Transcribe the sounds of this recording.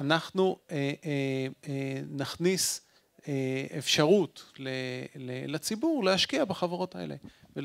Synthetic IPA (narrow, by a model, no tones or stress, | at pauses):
anaχnueʔeenaχnis | eefʃaʁutlelelat͡sibuʁlehaʃkiabaχavaʁo̞taḛle | vel